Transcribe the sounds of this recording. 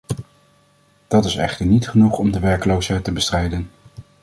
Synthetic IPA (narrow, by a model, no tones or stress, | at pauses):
d̥ɑtɪsɛ̰χtəɹnitχənuχɔmdəʋɛɹkəlowsɦɛjtəbəstrɛjdən